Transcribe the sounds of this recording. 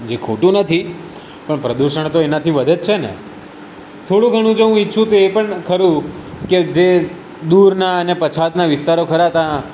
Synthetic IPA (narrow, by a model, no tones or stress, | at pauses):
d͡ʒekʰoʈũnət̪ʰi | pəɳpɾəd̪uʃəɳ̃t̪oenat̪ʰiʋəd̪ʱed͡ʒt͡ʃʰenḛ | t̪ʰoɽũɡʱəɽ̃ũd͡ʒeɦũitːʃʰũt̪oepəɳkʰəɾũked͡ʒe | d̪uɾnaənepət͡ʃʰat̪naʋɪst̪aɾokʰəɾat̪ã